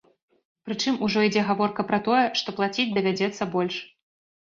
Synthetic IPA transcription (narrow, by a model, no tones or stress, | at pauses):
pɾɨt͡ʂɨmuʐɔid͡zʲɛɣavɔrkɐpɾɐt̪ɔjɛʂt̪ɔplˠat͡sʲid͡zʲd̪ɐvʲad͡zʲɛt̪sːɐbɔlʲʂ